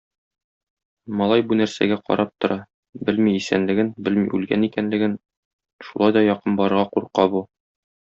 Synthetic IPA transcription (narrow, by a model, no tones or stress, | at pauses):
mɒlˠɑjbunæɾsæ̰ɡæqɒ̰ɾɑp̚t̪ŏɾɑ | bɘlmiːsæ̰nlɘ̆ɡɘnbɘlmḭʔʉlɡænikænlɘ̆ɡɘn | ʃu̥lˠɑjd̪ɒjɒqɤnbɒɾɤ̆ʁɑquɾqɑbu